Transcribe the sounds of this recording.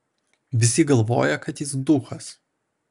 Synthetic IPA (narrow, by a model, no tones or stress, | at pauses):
ʋʲɪsʲɪɡɐlˠʋo̰ːjɛkɐt̪jɪsd̪uːxɐs